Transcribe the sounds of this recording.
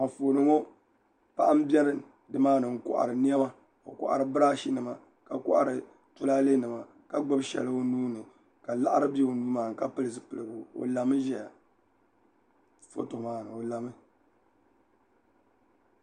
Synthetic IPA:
a˨fo˨nɨ˦ŋo˦ | pa˦ʔa˦m̩˦bʲɛ˦ɾɨ˦ | dɨ˨maː˦nɨ˨ŋ̩˦kʊ̰˨ʔa̰˨ɾɨ˨ni˦ɛ˦ma˦ | o̰˨kɔ̰˨ʔa̰˨ɾɨ˨bɨ˦ɾa˦ʃi˦nɨ˨ma˨ | ka˨kɔ̰˦ʔa̰˨ɾɨ˨ | tʊ˦laː˦le˦nɨ˨ma˨ | ka˨ɡ͡ba˦bʃɛ̰˨lɨ˦o˦nuː˦nɨ˨ | ka˨la˦ʔa˦ɾɨ˦bɛ˦o˨nuː˦maː˨ŋ˨ka˦pɨ˦lɨ˨sɨ˦pɨ˨lɨ˨ɡʊ˨o̰˨la˨mɨ˦ʒɛ˦ja˨ | fo̰˦to˨maː˦nɨ˨o˨la˨mɨ˦

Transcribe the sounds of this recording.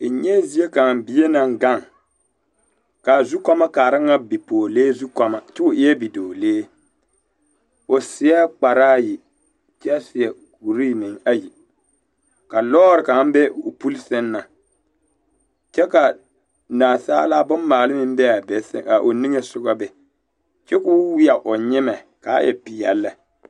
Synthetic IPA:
ɲɛ˦zi˦e˦ka˨m˨bi˦je˦na˨ŋ˦ɡa˦˨ŋ | ka˨zu˦kɔ˦ma˦kaː˨ɾɨ˦ŋa˦bi˨poː˨leː˦zu˦kɔ˦ma˨t͡ʃɛ˦o˨ʔɪ˦ɛ˦bi˨doː˨leː˦ | o˨sɪ˦a˦k͡pa˨ɾaː˦ji˨ | t͡ʃɛ˦sɪ˨ɛ˨ | ɡu˨ɾiː˦˨mɪ˨ŋa˦ji˨ | ka˨lɔː˦ɾɪ˨ka˨˦m˦bɛ˦ʊ˨pu˦lsɪ˦nːa˨ | t͡ʃɛ˦ka˨ | naː˨sa̰ː˦la˦bʊ˦nmaː˨lɪ˦mɪ˦m˦bɛ˦a˨bɛ˨sɛ̰˦˨a˨ʔo˨ni˦ŋe˦sʊ˦ɡa˦bɛ˨ | t͡ʃɛ˦kʊ˦wɪ˦a˨ʔʊ˨ɲɪ˦mɛ˨ | ka̰˨˦jɛ̰˨pɪ˨jɛ̰˨lːɛ˦

